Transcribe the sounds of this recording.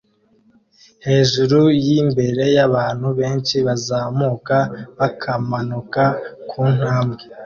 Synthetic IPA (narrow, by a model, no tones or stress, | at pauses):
he̞ːʒuɾujimbe̞ɾe̞jaβaːn̥huβe̞ːnʃiβazaːmukaβakʰamanukakʰuːn̥haːmɡe